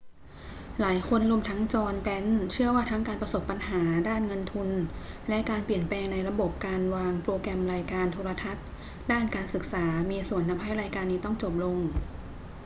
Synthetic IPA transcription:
laː˩˦jkʰo˧nɾu˧əmt̪ʰa˦˥ŋt͡ɕɔː˧npɛ˦˥nt͡ɕʰɯ˥˩əwaː˥˩t̪ʰa˦˥ŋkaː˧npɾa˧so˨˩pːa˧nɦaː˩˦daː˥˩nŋɤ˧nt̪ʰu˧n | lɛ˦˥ʔkaː˧npli˨˩ənplɛː˧ŋna˧jɾa˧bo˨˩p̚kaː˧nwaː˧ŋpɾoː˧kɾɛ˧mɾaː˧jkaː˧nt̪ʰoː˧ɾa˧t̪ʰa˦˥t̪̚ | daː˥˩nkaː˧nsɯ˨˩k̚saː˩˦miː˧su˨˩ənːa˧˥mɦa˥˩jɾaː˧jkaː˧nːiː˧˩t̪ɔ˥˩ŋt͡ɕo˨˩p̚lo˧ŋ

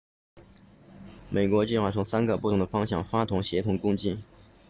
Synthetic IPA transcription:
me˨˩ɪkwɔ˧˥t͡ɕi˥˧xwa˥˩t͡sʰʊ˧˥ŋsa˥nɡə˨pu˥˩ʊ˧˥ŋ˥d̪ə˧fɑ˥ŋɕjɑ̰˥˩ŋfa˥t̪ʰʊ˧˥ŋɕjɛ˧˥t̪ʰʊ˧˥ŋkʊ˥ŋt͡ɕi˥˩n

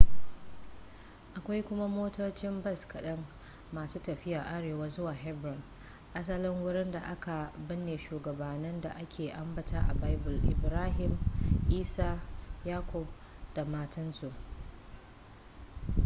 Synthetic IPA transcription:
ʔa˨kʷa˦jkʷʊ˦ma˦moː˦toː˦t͡ʃɪ˦mbɐ˦˨skɐ˨ɗɐ˦ŋː | aː˨suː˦tɐ˨ɸɪ˦jaː˨ʔa˦ɽeː˨waː˦zʊ˦waː˨ɦɛ˦bɾɔ˨n | ʔa˦s̬ɐ˦lɪ˦ŋwʊ˦ɽɪ˦nda˨ʔa˦ka˨bɪ˦nːeː˨ʃuː˨ɡɐ˨baː˨nɪ˦nda̰˨ʔa˦kʲʰeː˨ʔa˦mbɐ˨tʰaː˦ʔa̰˨ba˦jbʊ˨lʔɪ̰˨bɾaː˦ɦɪ˨mʔiː˦saː˦jaː˦kʷʰɔ˨b̚ | d̥a˨maː˦tɐ˦nsu˨ʔ

